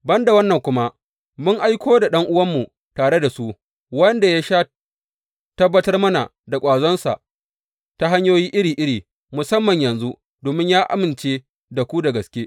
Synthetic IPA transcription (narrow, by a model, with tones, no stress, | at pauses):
bɐ˦nda˨wɐ˦nːɐ˨ŋkʷʊ˦ma˦ | mʊ˦ŋʔa˦jkʷoː˦da˨ɗɐ˦ŋʔʊ˦wɐ˦mːu˨ | taː˨ɽe˦da˨su˦ | wɐ˦nda˨ja˦ʃaː˦ | tɐ˦bːɐ˦tɐ˦rmɐ˦na̰˨ | da˨kʷʼaː˨zɔ˦nsa̰˨ʔ | ta˦ɦa˦ɲjoː˦jiː˦ʔɪ˦ɾiː˨ʔɪ˦ɽiː˨ | mʊ˨sɐ˦mːɐ˨ɲjɐ˨nzu˦ | doː˨mɪ˦ɲjaː˦ʔa̰˦mɪ˨nt͡ʃeː˦ | da˨kʷu˦da˨ɡɐ˨skʲeː˦